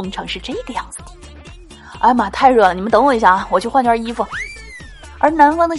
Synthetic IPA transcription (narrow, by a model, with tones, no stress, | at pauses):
ʊ˧˥ŋʈ͡ʂʰɤ˧˥ŋʂɻ̩˥˧ʈ͡ʂɤ˥˩i˧˥ɡə˧˦jɑ˥˩ŋd͡zɹ̩˩d̪ə | a̰˥˧ɪma˨˩t̪ʰa˥˧ɪɻɤ˥˩lə˩ni˩mə˦nt̪ɤ˧˥ŋwɔ˧˩i˧˥˩ɕja˥˩˧wɔ˨˩t͡ɕjo˥˧ʊxwa˥˧t͡ɕʰi˥fu˨˩ | ə̰˞˧˥˧na˧˥nkwa˥nə˧˩